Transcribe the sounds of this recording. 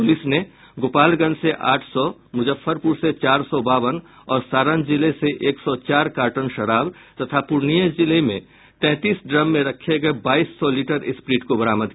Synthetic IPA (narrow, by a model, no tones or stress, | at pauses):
pʊlɪsne | ɡoːpaːlɡə̃nseʔaːʈʰsɔmʊd͡ʒəfʰːəɾpuːɾset͡ʃaːɾsɔbaːwən | ɔːɾsaːɾənd͡ʒɪleseʔeːksɔt͡ʃaːɾkaːɾʈənʃɐɾaːb | t̪ɐt̪ʰapʊɾnijəd͡ʒɪlemẽ | t̪ɛ̃ːt̪iːsɖɾəmːẽɾɐkʰeɡɐebaːiːsːɔliːʈəɾɪspɾiːʈkobɐɾaːməd̪